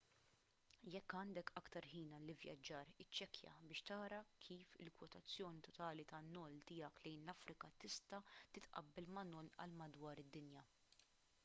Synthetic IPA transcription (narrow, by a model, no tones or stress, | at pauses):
jɛkːɐːnd̪ɛkɐkt̪ɐɾhiːnɐlɪvjɐ̰d͡ʒːɐːɾɪt͡ʃːɛkjɐ̰bɪːʃt̪ɐːɾɐkʰiːfɪlkwɔt̪ɐt͡sːjɔːnit̪ɔt̪ɐːlit̪ɐnːɔːlt̪ɪːjɐklɛjnlɐfɾɪkɐt̪ɪst̪ɐt̪ɪt̪ʔɐ̰bːɛlmɐnɔlʔɐ̰lmɐd̪wɐːɾɪd̪ːɪnjɐ